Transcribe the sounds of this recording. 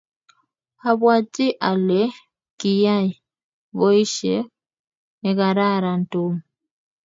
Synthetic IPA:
a˨βwa˦t͡ʃi˦ʔa˨le˦ | ki˨ja˦i˨ | βɔ˦i˦ʃɛ˦ | e˨ka˨ɾa˦ɾa˨n˨to˦mu

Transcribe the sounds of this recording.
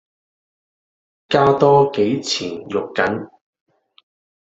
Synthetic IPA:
kaː˥t̪ɔː˥ke˨˥jt͡sʰiː˨˩njʊ˨kːɐ˨˥n

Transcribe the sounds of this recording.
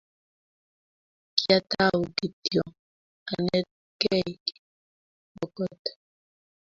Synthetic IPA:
kja˦ta˦wu˨ki˨tjɔ˨ | a˨nɛ˦ | kɛ˦˨ki̥˨ | bɔ˨kɔ˦t

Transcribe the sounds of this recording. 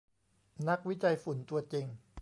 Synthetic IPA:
na˦˥k̚wi˦˥t͡ɕa˧jfu˨˩˦nt̪u˧ɐt͡ɕi˧ŋ

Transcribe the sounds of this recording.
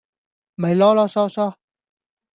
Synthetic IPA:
me˨jlɔ˦˥lɔː˦˥sɔː˦˥sɔ˦

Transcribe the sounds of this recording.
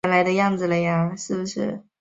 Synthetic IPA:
ə˥nla˧˥ɪd̪ə˧jɑ˥˩ŋd͡zɹ̩˩lə˧˥ɪjɑ˥˩ŋʂɻ̩˥˩bu˩ʂɻ̩˥˩

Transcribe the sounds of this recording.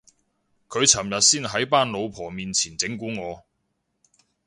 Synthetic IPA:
kʰɵ˨˧ɥt͡sʰɐ˨˩mjɐ˨t̚siː˥nɦɐ˨˥jpaː˥nlo˨˧wpʰɔː˨˩miː˨nt͡sʰiː˨˩nt͡sɪ˨˥ŋkuː˨˥ŋɔː˨˧

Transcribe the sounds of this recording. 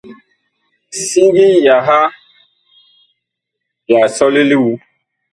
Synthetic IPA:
si˦ɡi˦ja˨ɦa˦ | ja˨sɔ˦li˦li˦wu˦

